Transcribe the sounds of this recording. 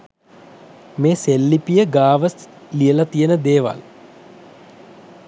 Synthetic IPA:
meːselːipijəɡaːʋəs | lijəlat̪ijənəd̪eːʋa̰l

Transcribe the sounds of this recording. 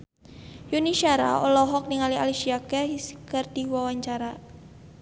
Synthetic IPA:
juniʃaɾa̰ɔlɔɦɔk̚niŋaliʔaliʃiakɛiskərd̪̥iwawaɲt͡ʃaɾa

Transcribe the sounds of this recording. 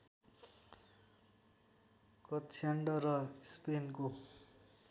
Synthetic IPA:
kʌt̪t͡sʰaɳɖʌrʌspenko

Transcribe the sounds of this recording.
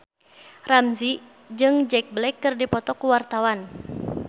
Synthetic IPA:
ramzi | d͡ʒɨŋd͡ʒɛk̚blɛkːɨrdipɔt̪ɔkuwart̪awan

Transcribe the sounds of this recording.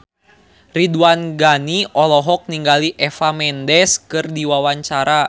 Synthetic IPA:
riduanɡaniʔɔlɔɦɔk̚niŋɡaliʔɛfamɛndɛskɨrdiwawaɲt͡ʃaɾa

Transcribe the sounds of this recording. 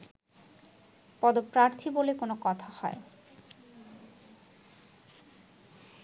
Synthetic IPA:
pɔd̪opɾaɾt̪ʰibolekonokɔt̪ʰahɔ̰e

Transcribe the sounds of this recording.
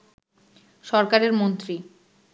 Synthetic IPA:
ʃɔɾkaɾeɾmont̪ɾi

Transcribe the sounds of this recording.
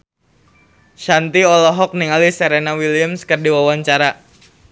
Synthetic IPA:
ʃant̪iɔlɔɦɔk̚niŋalisəɾenawiliamskərdiwawaɲt͡ʃaɾa

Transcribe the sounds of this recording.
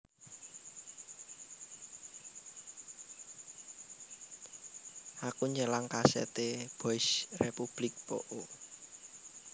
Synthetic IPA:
ʔakuɲəlaŋkasɛ̰t̪eb̥ɔɪsrepub̥lɪk̚po̰ʔo

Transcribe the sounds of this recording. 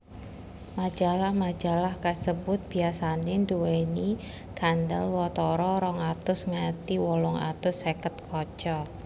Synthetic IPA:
mad͡ʒalahmad͡ʒalahkəsəbʊt̪̚b̥iasanend̪uweni | kandə̰lwɔt̪ɔɾɔɾɔŋat̪ʊsŋat̪iwɔlɔŋa̰t̪ʊsekət̪̚kʰɔt͡ʃɔ

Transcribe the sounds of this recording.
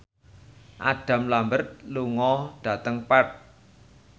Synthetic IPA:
ʔa̰ɖ̥ä̤mlambərt̪̚luŋɔɖ̥ä̤t̪əŋpɛt̪̚

